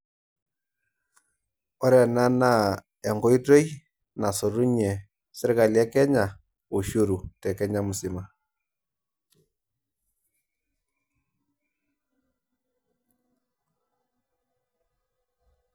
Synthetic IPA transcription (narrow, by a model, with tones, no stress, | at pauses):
ɔ˦ɾɛ˨na˦na˦˨ | ɛ˨ŋɡɔ˦i˦to˦j | na˨sɔ˨ɾu˦ɲɛ˨ | sɪ˦ɾka˨ljɛ˦kɛ˦ɲa˨ | o˨ʃu˦ɾu˨tɛ˨kɛ˦ɲa˦mu˨si˨ma˨